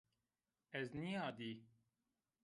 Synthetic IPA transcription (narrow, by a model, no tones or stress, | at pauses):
ɛznijaːd̪iː